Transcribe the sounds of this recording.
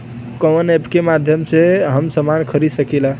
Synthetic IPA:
kənepkemad̪ʱjəmseɦəmsəmankʰəɾid̪səkila

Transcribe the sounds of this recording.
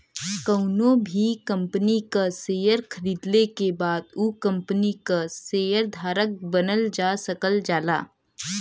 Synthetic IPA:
kɐʊnõbʱikɐ̃mpənikaseːjəɾkʰəɾiːd̪lekebaːd̪ukɐ̃mpənikaseːjəɾd̪ʱaːɾək̚bənəld͡ʒaːsəkəld͡ʒaːlaː

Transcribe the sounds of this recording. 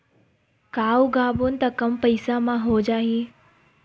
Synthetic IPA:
kaːuɡaːboːnɪ̆t̪ɐkɐmpɐɪsamãɦod͡ʒaːɦiː

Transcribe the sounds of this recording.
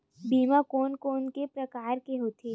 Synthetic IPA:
bʱiːmakoːnkoːnkepɾɐkaːɾkeɦoːt̪ʰe

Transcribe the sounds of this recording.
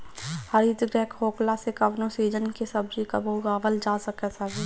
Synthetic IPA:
həɾit̪ɡɾɛːkɦoːklasekɐʋnõsiːd͡ʒənkesɐbd͡ʒikɐboɡaːʋəld͡ʒaːsɐkɛsaɡi

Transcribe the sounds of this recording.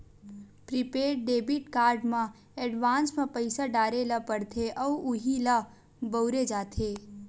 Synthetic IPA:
pɾɪpeːɾʈ̚ɖeːbɪʈkaːɾɖmã | ɛɖʋãːnsmẽpəɪsaɖaːɾelɐpəɽt̪ʰeʔɔːʊɦila | bəʊɾed͡ʒaːt̪ʰeː

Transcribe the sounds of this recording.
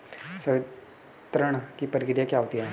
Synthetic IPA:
sə | t̪ɾəɳ̃kipəɾkɪɾijakjaːɦoːt̪iɛː

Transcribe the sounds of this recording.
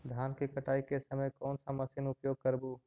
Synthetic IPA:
d̪ʱjaːnkikəʈaːikesəməjkɔːnsamɐsɪnʊpjoːɡ̚kəɾbuː

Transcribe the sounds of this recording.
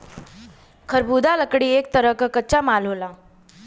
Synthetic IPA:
kʰəɾbʱud̪ʱaləkɽiːek̚t̪əɾəkəkət͡ɕamalola

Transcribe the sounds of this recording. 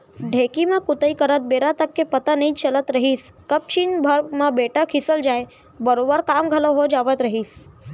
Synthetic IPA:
ɖʱekimãkʊt̪əikəɾət̪̚beɾat̪əkːepət̪anəĩt͡ʃələt̪ɾəɦis | kəp̚t͡ʃinbʱəɾmãbeʈəkʰisəld͡ʒae | bəɾobəɾkamɡʱəloɦod͡ʒaʋət̪ɾəɦis

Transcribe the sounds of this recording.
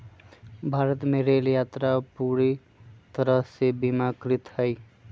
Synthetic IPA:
bʱaɾət̪meɾeljat̪ɾapuɾi | t̪əɾəɦsebimakɾit̪həj

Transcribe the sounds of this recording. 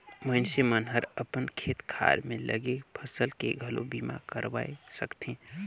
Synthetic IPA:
məɪnsemənɦəɾəpənkʰeːt̪kʰa̰ːɾmẽlʔə̰ɡepʰəsəlkeɡʱəlo̰biːma̰kəɾʋaːesəkt̪ẽː

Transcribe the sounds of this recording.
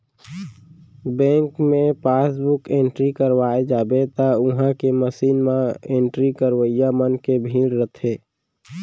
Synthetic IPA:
bɛ̃ːŋkmẽpaːsbʊkẽːɳʈɾikəɾwaːed͡ʒaːbet̪aʊɦãkeməsiːnmãẽːɳʈɾikəɾwəjamənkebʱĩːɽɾət̪ʰeː

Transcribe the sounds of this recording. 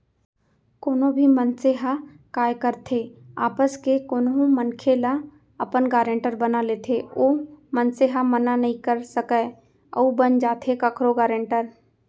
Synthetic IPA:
koːnõbʱimənseɦa | kaːjkəɾt̪ʰeaːpəskekoːnɦõmənkʰela | ɐpənɡaːɾə̃ɳʈəɾbɐnaleːt̪ʰeoːmənseɦamənanɐɦĩkəɾsəkə | ɐ̰ubənd͡ʒaːt̪ʰekɐkʰɾoɡaːɾẽɳʈəɾ

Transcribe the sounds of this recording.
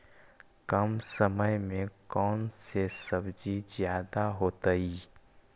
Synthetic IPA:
kɐmsəməjmẽkɔːnsesɐbd͡ʒizjaːd̪aɦoːt̪əiː

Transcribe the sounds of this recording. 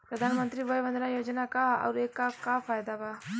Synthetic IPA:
pɾɐd̪ʱanmənt̪ɾiːʋəjʋənd̪najoːd͡ʒnakaɐ̰wɾekːakafajd̪aba

